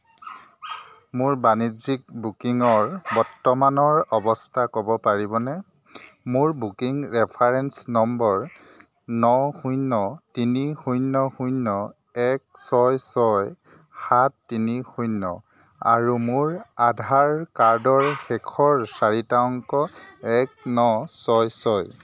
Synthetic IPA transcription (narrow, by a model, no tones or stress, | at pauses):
mʊɹbanizik̚bukiŋɔɹbɔɹtːɔmanɔɹɔbɔstʰakɔbɔpaɹibɔnɛ | mʊɹbukiŋɹɛpʰaɹɛnsnɔmbɔɹ | nɔxujnɔtinixujnːɔxujnːɔ | ɛk̚sɔjsɔj | xatːinixujnːɔ̰ | a̰ɹumʊɹadʱaɹkaɹdɔɹxɛkʰɔɹsaɹitaɔŋkɔɛk̚nɔsɔjsɔj